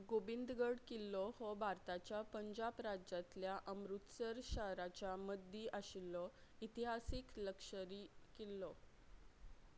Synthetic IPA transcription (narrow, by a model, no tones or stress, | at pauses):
ɡobind̪ɡəɽkilːɔhɔbʱaɾt̪at͡ɕjapəɲd͡ʑabɾad͡ʑat̪ljaʔəmɾut̪səɾɕaɾat͡ɕjaməd̪ʱiʔaɕilːɔit̪iɦasikləkʂəɾiːkilːɔ